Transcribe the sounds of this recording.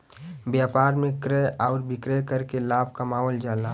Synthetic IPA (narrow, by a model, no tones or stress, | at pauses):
bjaːpaːɾmẽkɾeɔːɾbɪkɾekəɾkelaːb̚ʱkamaːɦɔld͡ʒaːlaː